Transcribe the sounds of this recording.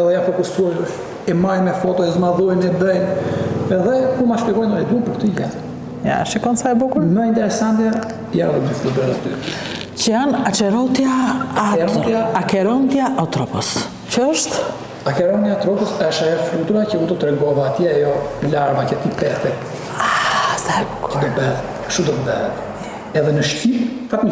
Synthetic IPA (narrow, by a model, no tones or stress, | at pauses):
ɛðɛjanfɔkusualuʃ | ɛmajmɛfɔt̪ɔɛzmaðuɛnɛd̪əjnɛðɛkumaʃpɛkɔjnɔnɛd̪unpəɾkt̪iɟa̰t̪ | ja̰ʃikɔnsajbukuməint̪ɛɾɛsant̪ja | janðubuflud̪ɾɛt̪ət̪y̰ɾɛ | cəanat͡ʃɛɾɔt̪jaaɔaakɛɾɔnd̪jaʔɔt̪ɾɔpɔs | cəəʃt̪ | akɛɾɔnd̪jaɔt̪ɾɔpɔsɛʃajɔflut̪uɾacəund̪ɔt̪ɾɛɡɔvaːt̪jɛajɔlaɾvacət̪ipɛt̪ɛ | asajbu̥ku̥əd̪ɔt̪bɛð | ʃud̪ɔt̪əbɛɛt̪ | ɛðɛnəʃcipfat̪mə